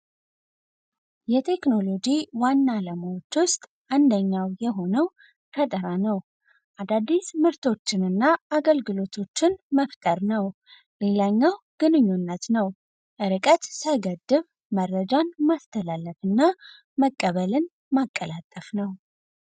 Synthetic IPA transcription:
jɛt̪ʰe̞kno̞lo̞d͡ʒiwanːaləmawot͡ʃːwʊst̪ʼ | ʔand̪əɲːawjɛɦo̞nəw | kʰət̪ʼəɾanəw | ʔad̪ad̪ːismɨɾt̪ʰo̞t͡ʃːɪnɨnːaaɡəlɡɨlo̞t̪ʰo̞t͡ʃːɪnməft̪ʼəɾnəw | le̞laɲːaw | ɡ̥ɨnɨɲːunːət̪nəw | ʔɨɾɨkʼət̪səjɡəd̪ːɨβ | mərːəd͡ʒanmast̪ʰəlalːəfɨnːa | məkʼːəβəlɨn | makʼːəlat̪ʼːəfnəw

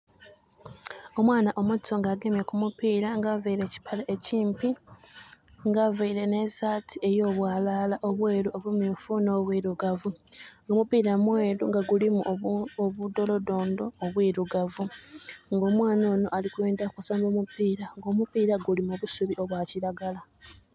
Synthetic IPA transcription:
o̞mwaːnaʔo̞muoŋɡaɡe̞mekumupiːɾaŋɡaveiɾe̞ːci̥pʰaleʔeciːmpi | ŋɡaveiɾe̞ne̞zaːtʰie̞jo̞ːβwaːlalaʔo̞βwe̞ːɾuoβumiːɱfuno̞ːβwiːɾuɡavuomupiːɾamweːɾuŋɡaɡulimuoβudo̞lo̞do̞ːndoːβwiːɾuɡavuŋɡo̞ːmwaːno̞ːno̞ʔalikweːndakusaːmboːmupiːɾaŋɡo̞ːmupiːɾaɡulimoβusuβiʔo̞βwaciɾaɡala

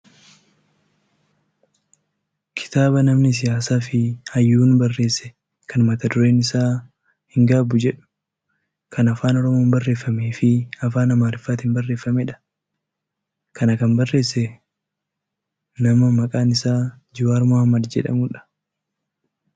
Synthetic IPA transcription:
kʰɪ̥t̪aːbɐnɐmnɪs̬ɪjaːsaːfɪhɐjːuːnbɐrːe̞ːsːɛ̥ | kʰɐnmɐt̪ɐd̪ʊɾe̞ːnɪsaː | hɪŋɡaːbʊd͡ʒɛᶑʊ̥ | kʰɐnɐfaːnɔɾɔmoːmbɐrːe̞ːfːɐmeːfɪɐfaːnɐmaːɾɪfːaːt̪ɪnbɐrːe̞ːfːɐmɛᶑɐ̥ | kɐnɐkɐmbɐrːe̞ːsːɛ | nɐmɐmɐkʼaːnɪsaː | d͡ʒɪwaːɾmohɐmːɐd̪d͡ʒɛ̰ᶑɐ̰muːᶑɐ̥

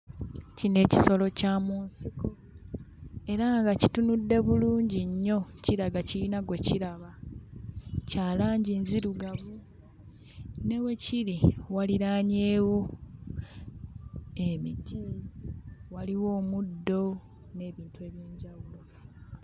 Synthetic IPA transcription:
cine̞ːci̥so̞lo̞caːmuːnsiko̞ | e̞ɾaŋɡacitunudːe̞βuluːɲɟiɲːo̞ciɾaɡaciinaɡwe̞ciɾaβa | caːlaːɲɟinziɾuɡaβu | ne̞we̞ciɾiwaliɾaːɲe̞ːwo | emitʰi | waliwo̞ːmudːo̞ | ne̞ːβiːntue̞ːβjeːɲɟawulo

